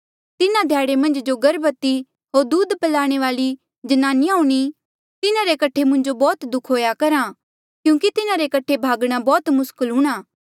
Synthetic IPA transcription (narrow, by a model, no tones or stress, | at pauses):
t̪ɪnãd̪ʱjaːɽemɐ̃nd͡ʒd͡ʒoɡɐɾbət̪ːi | ɦoːɾd̪uːd̪pɐlaːɽ̃eʋaːli | d͡ʒɐnaːnɪjauɽ̃i | t̪ɪnãɾekɐʈʰːemʊ̃ɲd͡ʒobɔːt̪d̪ʊkʰɦoːjakɐɾa | kjũːkit̪ɪnãɾekɐʈʰebʱaːɡɽ̃abɔːt̪mʊskəlɦũːɽ̃aː